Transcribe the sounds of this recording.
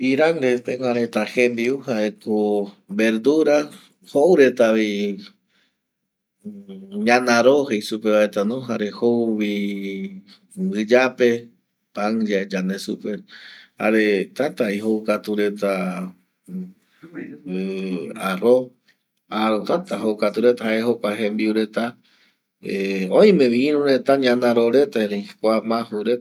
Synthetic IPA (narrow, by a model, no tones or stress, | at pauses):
iɾaŋɾet̪ẽŋʷãɾet̪ahẽnd̪iuhaeko | be̞ɾd̪uɾa | howɾe̞t̪aβi | ɲãnãɾohejsupeβaet̪anõɦaɾehowβi | bɨd͡ʒape̞ | paŋd͡ʒaed͡ʒanesupeha̰ɾet̪at̪aiɦowkat̪uɾe̞t̪a | aro | aɾot̪at̪aɦowkat̪uɾe̞t̪aɦaeɦokʷaɦẽmbiuɾe̞t̪a | eõj̃mẽ̞ʋiĩɾũɾet̪aɲãnãɾoɾe̞t̪aeɾekʷamãhuɾe